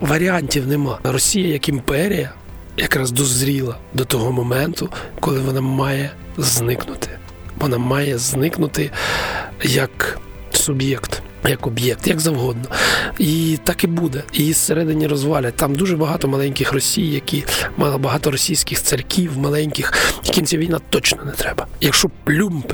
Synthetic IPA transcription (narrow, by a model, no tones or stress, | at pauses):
ʋɐɾʲianʲtʲiwnɛmɑrɔsʲijɐjɐkimpɛɾʲijɐ | jɐkɾɑzd̪ɔzɾʲilˠɐ | d̪ɔt̪ɔɦɔmɔmɛnt̪ʊkɔlˠɪʋɔnɑmɑjɛ | znɪknʊt̪ɪ̥ | ʋɔnɑmɑjɛznɪknʊt̪ɪ | jɐk | sʊbjɛkt̪ | jɐkɔbjɛk̚t̪jɐɡzɐwɦɔd̪̚nɔit̪ɑkibud̪ɛisseɾɛd̪ɪnʲːiɾɔzʋɑlʲɐt̪ɑmd̪uʒɛbɐɦɑt̪ɔmɐlˠɛnʲkɪxrɔsʲijːɐkʲimɑbɐɦɑt̪ɔɾɔsʲijsʲkɪxt̪sɐɾʲkʲʰiwmɐlˠɛnʲkɪxjɐkʲimt͡sʲaʋʲijnat̪ɔt͡ʃnɔnɛt̪ɾɛbɐjɐkʃt͡ʃɔplʲump